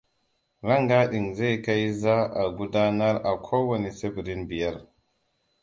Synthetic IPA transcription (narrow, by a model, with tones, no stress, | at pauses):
ɾa˦ŋɡa˦ɗi˨ŋze˦jka˦jza˦a˨ɡu˦da˦na˦ɾa˨kʰo˦wa˨ni˨se˦bi˨ɾi˦nbi˨ja˦˨ɾ